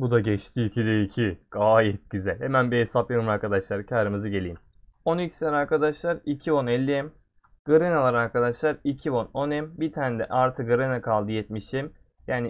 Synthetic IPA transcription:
bud̪aɟɛt͡ʃt̪ʰiːcʰid̪ɛicʰiɡ̥aːjɛt̪̚ɟ̥yzælʲhemænbiɦesapjaɾɯmaɾkʰad̪aʃlˠaɾcʰaːɾɯmɯzɯɟe̞lʲijim | o̞nicʲi̥sinʲɛɾaɾkad̪aʃlˠaɾicʰio̞nɛlʲːiɛm | ɡ̥ɯɾenalˠaɾaɾkʰad̪aʃlˠaɾicʰiono̞nɛmbit̪ʰaːnd̪ɛ̰ʔaɾt̪ʰɯk̚ɯɾenakʰalˠd̪ɯjɛt̪̚miʃim | jaːni

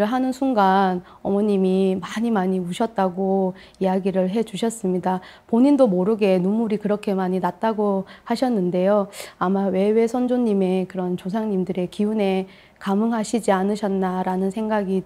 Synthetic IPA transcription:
ɯɭɦanɯnsʰuŋɡan | ʌmʌɲimimaɲimaɲiuɕʰʌt̚t͈aɡo | ijaɡiɾɯɭɦe̞d͡ʑuɕʰʌs͈ɯmɲida | poɲindomoɾɯɡe̞numuɾikɯɾʌkʰe̞maɲinat̚t͈aɡohaɕʰʌnːɯnde̞joamawe̞we̞sʰʌnd͡ʑoɲːime̞kɯɾʌnt͡ɕosʰaŋɲimdɯɾe̞kiune̞ | kamɯŋɦaɕʰid͡ʑianɯɕʰʌnːaɾanɯnsʰeŋɡaɡi

